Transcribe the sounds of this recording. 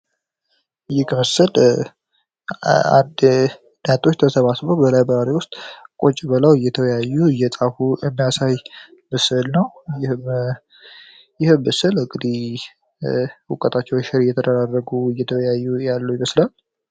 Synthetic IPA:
jɪkməsɨl | a̰nd̪ | njat̪ʰʼo̞t͡ʃːt̪ʰəsəβasbəwbəlajbəɾaɾiwʊst̪ʼkʼot͡ʃʼɪbələwɨjɛt̪ʰəwjajːuɨjɛsʼafuɨmːijasaj | mɨsɨlnəwjɪh | jɪhɨmːəsɨlɨkʼːɨd̪i | ukʼət̪ʰʼat͡ʃːɛwʃɪɾɪjɛt̪ʰəd̪əɾarːəɡuɨjɛt̪ʰəwjajːujalːəwjɪməslal

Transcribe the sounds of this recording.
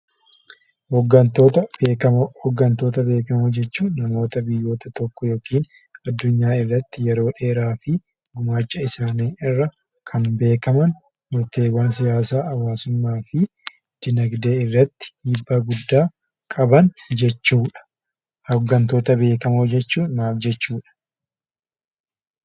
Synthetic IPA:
hɔɡːɐnt̪oːt̪ɐbeːkɐhɔɡːɐnt̪o̞ːt̪ɐbe̞ːkɐmod͡ʒɛt͡ʃːuːnɐmo̞ːt̪ɐbɪjːo̞ːt̪ɐt̪ɔkːɔjo̞ːkiːn | ɐd̪ːʊɲːaːɪrːɐt̪ːɪjɛɾo̞ːᶑe̞ːɾaːfɪ | ɡʊmaːt͡ʃːɐɪsaːniːɪrːɐ | kʰɐnbe̞ːkɐmɐn | mʊɾt̪e̞ːwaːnsɪjaːsaːɐwaːsʊmːaːfɪ | d̪̥ɪnɐɡd̪e̞ːɪrːɐt̪ːɪ̥hiːbːaːɡʊd̪ːaː | kʼɐbɐnd͡ʒɛt͡ʃːuːᶑɐ̥ | hɐɡːɐnt̪o̞ːt̪ɐbe̞ːkɐmod͡ʒɛt͡ʃːuːnːaːfd͡ʒɛt͡ʃːuːᶑɐ̥

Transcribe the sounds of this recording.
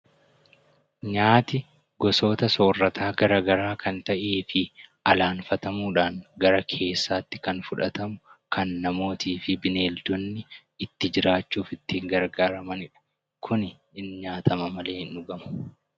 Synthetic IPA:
ɲaːt̪ɪ | ɡɔso̞ːt̪ɐso̞ːrːɐt̪ʰaːɡɐɾaːɡɐɾaːkɐnt̪ɐʔeːfɪɐlaːnfɐt̪ɐmuːᶑaːŋɡɐɾɐkʰe̞ːsːaːt̪ːɪ̥kɐnfʊᶑɐt̪ɐmʊkʰɐnːɐmo̞ːt̪iːfɪbɪne̞ːld̪ɔnːɪ | ɪt̪ːɪd͡ʒɪɾaːt͡ʃːuːfɪt̪ːɪŋɡɐɾɡaːɾɐmɐnɪᶑɐ̥ | kʰʊnɪ | ɪnɲaːt̪ʰɐmɐmɐle̞ːhɪnʊɡɐmɐ̥

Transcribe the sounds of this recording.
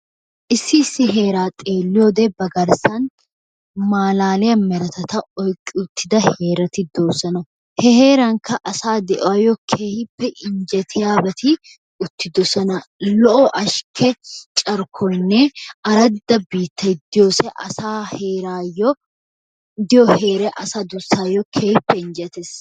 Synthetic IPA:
ʔɪsːɪsːɪɦe̞ːɾaːt̪ʼe̞ːlːɪjod̪ɛbɐɡɐɾsɐn | maːlaːlɪjɐmɛɾɐt̪ɐt̪ɐɔjkʼːɪʊt̪ːɪd̪ɐhe̞ːɾɐt̪ɪd̪o̞ːsɐnɐ | hɛhe̞ːɾɐŋkɐʔɐsaːd̪ɛʔɔwɐjɔkʰeːhɪpːɛʔɪɲd͡ʒɛt̪ʰɪjaːbɐt̪ʰɪ | ʊt̪ːɪd̪ɔsɐnɐlɔʔɔʔɐʃkʰɛt͡ʃʼɐɾkʰɔjnːɛɐɾɐd̪ːɐbiːt̪ːɐjd̪ɪjoːsɛʔɐ̰saːheːɾaːjːɔ | d̪ɪjɔhe̞ːɾɛʔɐsaːd̪ʊsːaːjːɔkʰeːhɪpːɛɪnd͡ʒɛt̪es

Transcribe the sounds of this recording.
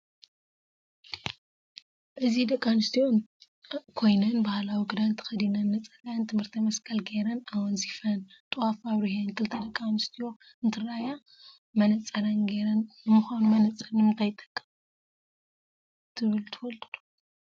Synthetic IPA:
ʔɨzid̪ɐkʼːanɨst̪ʰio̞n | kʰo̞jnɐnbahlawiɡɨd̪ant̪ʰɨ̥xɐd̪inɐnːɐt͡sʼɐlaant̪ʰɨmhɨɾt̪ʰɐmɐskʰɐlɡeɾɐnawɔnzifɐnt̪ʼuafaβɾiɦenkʰɨlt̪ʰɐd̪ɐkʼːanɨst̪ʰijo̞ | ɨnt̪ʰɨɾaja | mɐnɐt͡sʼːɐɾɐnɡeɾɐnjɨmɨxanumɐnɐt͡sʼɐnɨmɨnt̪ʰajt̪ʼːɐ̥kʼːɐm | t̪ʰɨβɨlt̪ʰɨwolt̪ʰɨd̪u̥

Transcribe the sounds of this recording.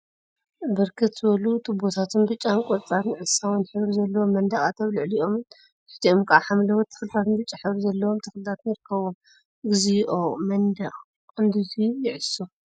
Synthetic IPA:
bɨɾkʰɨt̪z̥ɨβɐlut̪ʰɨbot̪ʰat̪ʰunbɨt͡ʃʼːankʼoɾt͡sʼaɾnɨʕɨsawnħɨβɾzɐlːɐwo̞mːɐnd̪ɐχʼat̪ʰɐβlɨʕliʔo̞mn | ħɨ̥t̪ʰiomkʰʔaħamlɐwot̪ʰːɐ̥xlɨt̪ʰat̪ʰɨnbɨt͡ʃʼːaħɨβɾizɐlːɐwo̞mt̪ʰɐxlɨt̪ʰat̪njɪɾɨkʰːɐβom | ɡɨzijʔomɐnd̪ɐχʼ | kʼɨnd̪uzijɪʕɨsu

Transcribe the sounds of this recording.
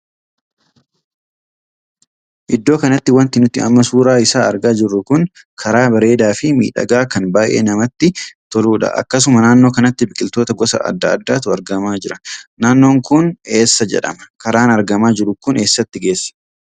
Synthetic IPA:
ʔɪd̪ːo̞ːkɐnɐt̪ːɪwɐnt̪ɪnʊt̪ːɪ̰ɐ̰mːɐsuːɾaːɪsaːɐɾɡaːd͡ʒɪrːʊkʊn | kʰɐɾaːbɐɾe̞ːd̪aːfɪmḭːᶑɐ̰ɡaːkɐnbaːʔḛːnɐmɐt̪ːɪt̪ɔluːᶑɐ̰ʔɐ̰kːɐs̬ʊmɐnaːnːo̞ːkɐnɐt̪ːɪbɪkʼɪlt̪o̞ːt̪ɐɡɔsɐ̰ɐ̰d̪ːɐɐ̰d̪ːaːt̪ʊɐɾɡɐmaːd͡ʒɪɾɐnaːnːo̞ːŋkʊne̞ːsːɐd͡ʒɛ̰ᶑɐ̰mɐ̥kɐɾaːnɐɾɡɐmaːd͡ʒɪɾʊkʊne̞ːsːɐt̪ːɪɡe̞ːsːɐ̥

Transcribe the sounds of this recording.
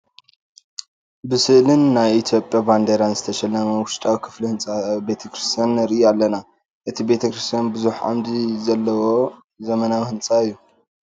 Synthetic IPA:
bɨsɨʔlɨnːajit̪ʰjo̞pʼːjaband̪eɾanzɨt̪ʰɐʃɛlːɐmɐwʊʃt̪ʼawikʰɨ̥flihɨnsʼabe̞t̪ʰɐkɾist̪ʰijanɾɨʔjalːɐna | ʔɨt̪ʰibe̞t̪ʰɐkɾist̪ʰjanbɨzuħʕa̰md̪izɐlːɐwo̞ | zɐmɐnawihɨnt͡sʼaɨjːu

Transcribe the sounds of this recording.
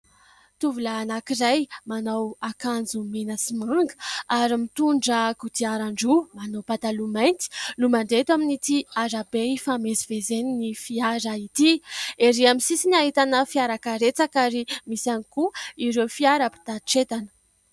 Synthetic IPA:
t̪uvulaːnakiɾajmanawakand͡zumenasimaŋɡə̥aɾimit̪uɳɖ͡ʐəkut̪iaɾaɳɖ͡ʐumanawpat̪alumajnt̪i̥lumaɳɖ͡ʐet̪waminit̪iaɾabeifamezivezeninifiaɾait̪ieɾiamisisinaɦit̪anəfiaɾakaɾet͡sakaɾimisanikuiɾewfiaɾəpi̥t̪aʈ͡ʂet̪anə̥

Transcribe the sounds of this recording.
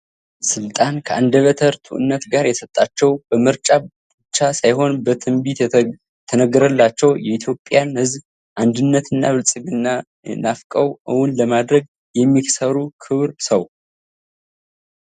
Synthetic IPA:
sɨlt̪ʼankʰəʔand̪əβət̪ʰəɾt̪ʰṵʔɨ̰nːət̪ɡaɾjɛsət̪ʼːat͡ʃːɛwb̥əmɨɾt͡ʃʼa | b̥ɨt͡ʃːasajho̞nbət̪ʰɨmbit̪ | t̪ʰənəɡːəɾəlːat͡ʃːɛwjɛit̪ʰjo̞pʼjanhɨzb | ʔand̪ɨnːət̪ʰɨnːaβɨlsʼɨɡɨnːa | nafkʼəwʔɨwʊnləmad̪ɾəɡ̚ | jɛmːiksəɾukʰɨβɾsəw

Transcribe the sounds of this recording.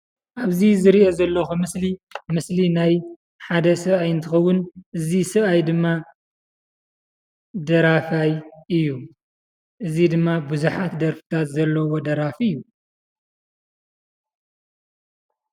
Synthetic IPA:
ʔaβzizɨɾiʔozɐlːɐxumɨslimɨslinaj | ħad̪ɐsɨβajɨnt̪ʰɐxɐwːʊnʔɨzisɨβajd̪ɨmːa | d̪ɐɾafajʔɨjːu | ʔɨzid̪ɨmːabuzuħat̪d̪ɐɾfɨ̥t̪ʰat̪zɐlːɐwod̪ɐɾafiɨjːu

